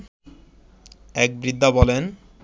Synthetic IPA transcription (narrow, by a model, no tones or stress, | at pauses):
ɛk̚bɾid̪ʱːabɔlen